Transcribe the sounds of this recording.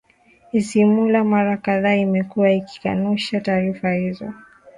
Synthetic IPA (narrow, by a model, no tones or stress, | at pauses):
isimulamaɾakaðaːimɛkuwaiki̥ka̰nuʃataːɾifahizɔ